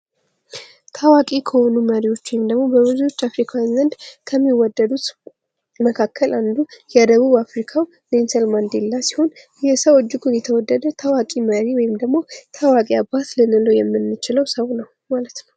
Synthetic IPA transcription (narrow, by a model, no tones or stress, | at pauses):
t̪ʰawakʼikʰəho̞numəɾiwo̞t͡ʃːwɔjɪmd̪əɡmo̞bəβɨzuo̞t͡ʃːafɾikʰawanzənd̪kʰəmːiwɔd̪ːəd̪ut̪ | məkʰakːəlʔand̪ujɛd̪əβuβafɾikʰaw | nensəlmand̪elːasi̥ho̞n | jɛsəwod͡ʒːɪɡʰʼujɛt̪ʰəwɔd̪ːəd̪ət̪ʰawakʼiməɾiwɔjɪmd̪əɡmo̞t̪ʰawakʼiabat̪lɨnɨləjɛmːɨnːɨt͡ʃɪləwsəwnəw | malət̪nəw